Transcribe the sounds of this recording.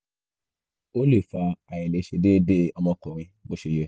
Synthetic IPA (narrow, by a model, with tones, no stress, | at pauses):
o˦le˦˨fa˧a˨jɛ˨le˨˦ʃe˧de˦de˦ɔ˧mɔ̃˧kɔ˨ɾ̃ĩ˧bo˦ʃe˧je˧